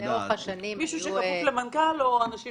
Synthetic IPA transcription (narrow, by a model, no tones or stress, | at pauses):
eoχaʃanimmiʃuʃekamuvlemankaloanaʃi